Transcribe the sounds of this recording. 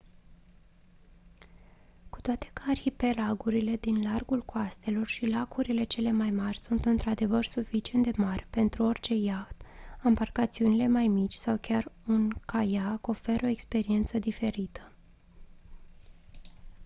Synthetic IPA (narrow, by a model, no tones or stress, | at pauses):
ku̥t̪oat̪e̞̥kaːrhipe̞laɡuɾile̞d̪inlarɡulkoast̪e̞lo̞rʃilakuɾile̞t͡ʃe̞le̞majmarʲsunt̪ɨnt̪ɾad̪e̞vərsufit͡ʃie̞nt̪d̪emarʲpe̞nt̪ɾuo̞rʲt͡ʃe̞jaxt̪ambarkat̪siunile̞majmit͡ʃʲsawkʲarunkʰajako̞fe̞ɾo̞e̞kspe̞ɾie̞nt̪səd̪ife̞ɾit̪ʰə̥